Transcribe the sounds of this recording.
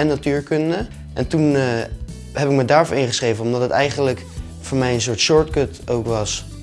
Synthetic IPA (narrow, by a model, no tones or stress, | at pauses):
ɛnːatyːɹkɵndə | ʔɛntun | ɦɛpɪkmədaːɹfɔɹɪnχəsχrejvənɔmdɑtɦətɛjχənlək | fʊːɹmɛjəns̬ʊːɹtʃʊɹtkɵtowkʋɑs